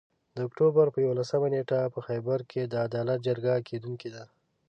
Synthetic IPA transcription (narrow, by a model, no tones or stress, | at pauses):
d̪əʊkʈobaɾpəjawolasəmaneʈapəxajbaɾkʰed̪əad̪ɑlat̪̚d͡ʒaɾɡakʰed̪uŋked̪a